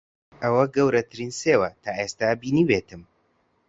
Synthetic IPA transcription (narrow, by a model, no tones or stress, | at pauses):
ʔɐwɐɡɐwɾɐt̪ʰɨɾiːnseːwɐt̪ʰaːʔest̪abiːniːweːt̪ɨm